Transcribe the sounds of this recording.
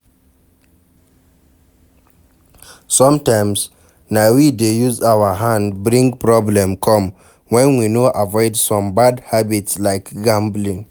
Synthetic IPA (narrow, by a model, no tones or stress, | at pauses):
sɔ̃mtãɪ̃ms | naɪwidejuzawəɦãndbɹĩŋɡpɹɔblɛ̃mkʰɔ̃m | wɛ̃nwinoʔavɔɪdsɔ̃mbadhabitslaɪkɡãmblĩŋ